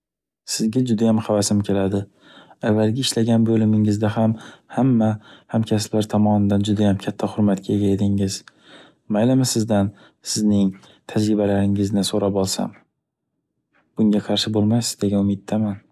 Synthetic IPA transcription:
sɪzɡʲad͡ʒʊd̪ajamχavasɪmkʲʰe̞lad̪ɪ | avːalˠɡʲaɪʃlaɡʲanbɵlɪmɪŋɪzd̪aɦamhamːahamkʲʰaslaɾt̪ʰɒmɒnɪd̪and͡ʒʊd̪ajamkʲʰat̪ʰːahʊɾmat̪kʲaeɡʲajed̪ɪŋɪz̥ | majlamasɪzd̪an | sɪznɪŋ | t̪ʰad͡ʒɾɪbalaɾɪŋɪznɪsoɾapɒlˠsa̰m | b̥ʊŋɡʲaqʰɑɾʃɪbolˠmajsɪzd̪eɡʲanʊmɪt̪ʰːaman

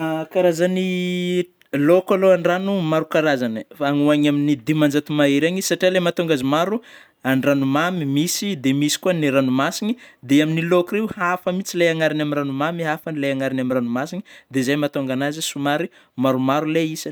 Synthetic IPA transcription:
kaɾazani | lokaloaɳranumaɾukaɾazanəfaŋuaɲaminid̪imand͡ʒat̪umaeɾaɲi̥saʈ͡ʂialemat̪oŋɡazimaɾu | anranumamimisid̪emisi̥kuaniɾanumasinid̪eaminilokuɾewhafəmit͡silajaŋaɾinaminɾanumamiɦafanilajaŋaɾinamiɾranumasini̥d̪ezajmat̪oŋɡanazisumaɾi | maɾumaɾuleisan

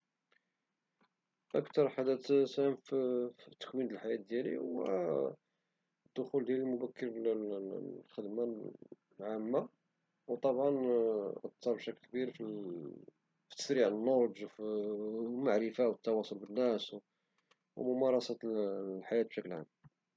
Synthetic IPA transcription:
ʔəkt̪ɑɾˤħad̪æt̪sæmft̪ːə̥kwind̪əlħajæt̪̚d̪jælḭwæ̰ | d̪ːʊxuld̪jælilmʊbækːəɾl | xəd̪ma | lʕamːa | wt̪ˤɑbʕɑnʔɑt̪ˤːɑɾˤbʃækːlkbiɾfi | fi̥t̪ːə̥sɾiʕənːoɾʒf | maʕɾəfawət̪ːɑwɑsˤolbənːæsw | wmʊmɑɾˤɑsɑt̪lħajæt̪̚b̥ʃækəlʕa̰mː

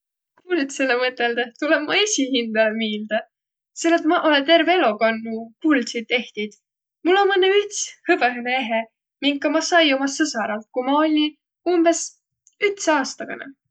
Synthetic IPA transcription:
kuːlit̪se̞lːemɤt̪ːˑeld̪et̪uleb̥mɑesʲihind̪̥ɑlemiːld̪̥ɑ | selːet̪mɑʔolet̪e̞rvelokɑnːukuld̪sid̪ːe̞ht̪id̪̥ | mulːo̞nmɤnːeyt̪shɤbeɦenee̞ɦe | miŋkkːɑmɑsɑjomɑsɤsɑɾɑlt̪̚kumɑo̞lʲi | umb̥e̞s | yt̪sɑːst̪ɑɡ̥ɑ̰nḛ

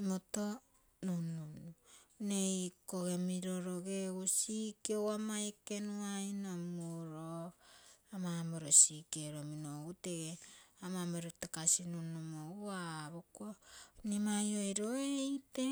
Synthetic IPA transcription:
imoto | nunununejkoɡe̞miɾo̞ɾoɡeɡusikeowamaeke̞nuajnomuɾo | amamoɾosikeɾominoɡute̞ɡeamameɾotekasinunumouaβokonimajo̞jɾoejte

